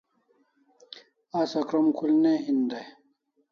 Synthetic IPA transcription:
asɐkɾɐmkʰulneɦind̪aj

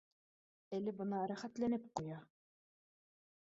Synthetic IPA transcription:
ælɘbɤ̆nɑɾæχæt̪lænɘp̚qujɑ

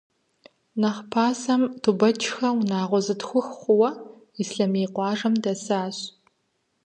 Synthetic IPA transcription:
nɐχpʰaːsɐmtʰubɐt͡ʃʰʼxɐwnaːʁʷɔzɨtxʷʊxχʷʊwɐ | isɬɐmeːqʷɑːʐɐmdɐsaːɕ

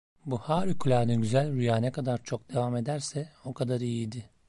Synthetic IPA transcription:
buhaːɾikʰulʲanɯɟyzælʲɾyjaːnɛkʰad̪aɾt͡ʃʰo̞k̚d̪̥e̞vame̞d̪æɾsɛo̞kʰad̪aɾijid̪ɪ

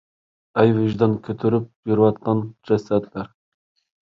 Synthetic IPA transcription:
æjvɪʒd̪ɑnkʲʰøt̪ʰyɾyp̚jyɾwɑt̪̚qɑnd͡ʒɛsæt̪læɾ

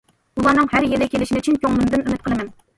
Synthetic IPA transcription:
ulˠɑnɨŋhæɾjelɪkʲʰelɪʃint͡ʃʰinkʲʰoŋlˠɨmd̪ɨnymɪt̪̚qʰəlˠɨmæn

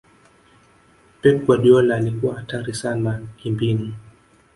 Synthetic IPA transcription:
pɛk̚waɗiɔlaːlikuwahataɾisanakimbini

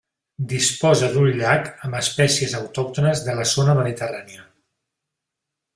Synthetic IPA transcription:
d̪ispɔzəðuɲʎakəmbəspɛsiəzəwt̪ɔk̚t̪unəzðələzonəməðit̪əraniə

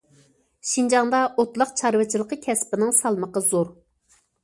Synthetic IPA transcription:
ʃind͡ʒɑŋd̪ɑʔot̪lˠɑqt͡ʃʰɑɾwɨt͡ʃʰilˠəqəkʲʰɛspɪnɪŋsɑlˠməqəzoɾ

